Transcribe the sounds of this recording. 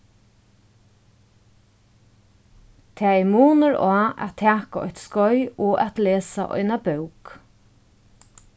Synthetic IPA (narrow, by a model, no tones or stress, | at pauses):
t̪ʰɛːɛmuːnəɹɔːæ̰tt̪ʰːæːkaɔ̰çt̪skɔʏɔːʔæt̪leːsa̰ʔɔ̰ɪnabœwk